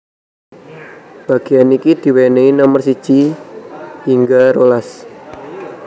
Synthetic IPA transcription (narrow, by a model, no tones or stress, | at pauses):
b̥a̤ɡ̥ianikid̪̥i̤weneinamərsi̥t͡ʃi | hiŋɡaɾolas